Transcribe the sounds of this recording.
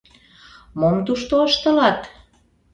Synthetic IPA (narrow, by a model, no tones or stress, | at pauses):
momt̪uʃt̪oəʃt̪ə̆lɑt̪